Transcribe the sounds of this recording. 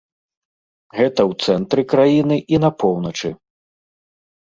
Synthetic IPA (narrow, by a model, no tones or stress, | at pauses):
ɣɛt̪ɐwt̪sɛnt̪ɾɨkɾajinɨʔinɐpɔwnɐt͡ʂɨ